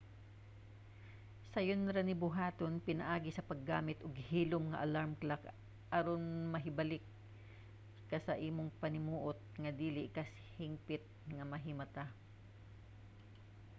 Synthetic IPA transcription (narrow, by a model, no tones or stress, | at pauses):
sɐjonɾɐnɪbʊɦaːt̪onpɪnɐʔaːɡɪsɐpɐɡːaːmɪt̪ʔʊɡhiːlʊmŋɐ̰ʔɐlaɹmklak | ʔɐɾonmɐɦɪbɐlɪk̚ | ɐsɐʔiːmoŋpɐnɪmuːʔot̪̚ŋɐd̪iːlɪʔɪkɐs | hɪŋpɪt̪̚ŋɐmɐɦɪmɐt̪a